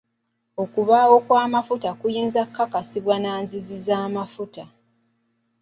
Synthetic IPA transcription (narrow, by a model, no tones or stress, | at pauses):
o̞kuβawo̞kwaːmafutakujiːnzakːakasiβwanaːnzizizaːmafuta